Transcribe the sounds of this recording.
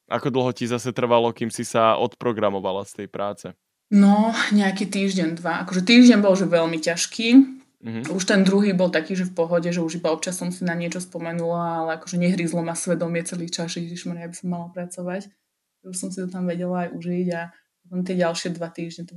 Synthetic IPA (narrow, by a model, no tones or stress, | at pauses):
ʔa̰kɔd̪l̩ˠɦɔcizasɛt̪r̩ʋalɔkiːmsisaʔɔt̪pɾɔɡɾamɔʋalast̪ɛjpɾaːt͡sɛ | nɔɲɛakiːt̪iːʒɟɛɲd̪ʋaʔakɔʒɛt̪iːʒɟɛɲbɔlʒɛʋɛlmicaʃkiː | uʃt̪ɛnd̪ɾuɦiːbɔlˠt̪akiːʒɛfpɔɦɔɟɛʒɛuʒibaɔpt͡ʃasːɔmsinaɲɪɛt͡ʃɔspɔmɛnulaalɛakɔʒɛɲɛɦɾizlɔmasʋɛd̪ɔmɪɛt͡sɛliːt͡ʃazʒɛdiʃmaɾjabisɔmːalapɾat͡sɔʋac | ɛuʃsɔmsit̪ɔt̪amʋɛɟɛlaːjʔuʒiɟa | pɔt̪ɔmt̪̬ɪɛɟalʃɪɛd̪ʋat̪iːʒɲɛt̪